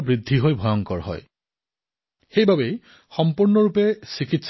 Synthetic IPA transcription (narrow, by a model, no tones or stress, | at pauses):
bɹid̪ʱːiɦojbʱɔjɔŋkɔɹɦɔ̰j | xejbabej | xɔmpuɹnɔɹupesikits